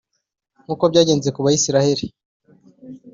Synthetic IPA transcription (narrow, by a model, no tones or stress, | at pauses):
ŋ̥uːko̞bɟaːɟe̞ːnze̞kuβajisiɾahe̞ɾi